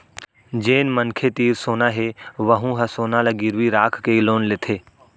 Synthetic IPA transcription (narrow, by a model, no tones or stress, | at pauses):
d͡ʒeːnmənkʰet̪iːɾsoːnaɦeʋəɦũɦɐsoːnalaɡɪɾʋiɾaːkʰkeloːnlet̪ʰeː